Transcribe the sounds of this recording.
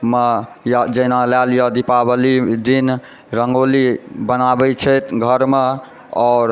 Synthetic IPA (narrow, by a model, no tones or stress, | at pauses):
me | jd͡ʒənalaljɔd̪ipabəlid̪in | ɾəŋɡolibənabɛt͡ʃʰɛjt̪ɡʱəɾme | ɔːɾ